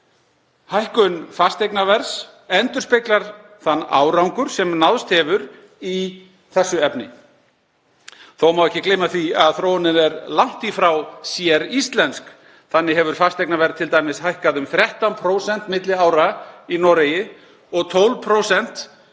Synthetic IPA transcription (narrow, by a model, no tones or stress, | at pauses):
hajhkʏnfast̪ejknavɛɾs | ɛnt̪ʏ̥spɪklaɾ̥ | θanːa̰ːwɾawŋkʏɾ̥sɛmnaðst̪hɛvʏɾ | i | θɛsːʏɛpnɪ̰ | θowmawɛhcːɪklejmaθiaðθɾoːwnɪnɛɾlawn̥t̪ifɾawsjɛɾist̪lɛnsk | θanːɪɦɛvʏɾ̥fast̪ejknavɛɾt̪ʰɪlt̪aːjmɪshajhkaðʏmθɾjɛht̪anpʰɾoːwsɛn̥t̪mɪt̪lɪaːwɾainɔɾejɪ | ɔɣt̪ʰowlvpʰɾowsɛn̥t̪